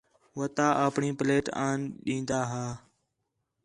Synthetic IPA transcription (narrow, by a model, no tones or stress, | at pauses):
ʋət̪aːʔəpɳiːpleːʈaːnɗĩːnd̪aːɦaː